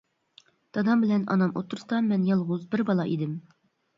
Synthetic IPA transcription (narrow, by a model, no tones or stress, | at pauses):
t̪ʰɑd̪ɑmbɪlɛnɑ̰nɑmʔo̰t̪ʰːʊɾsɑmɛnjɑlˠʁʊzbɪɾbɑlˠɑʔid̪ɪm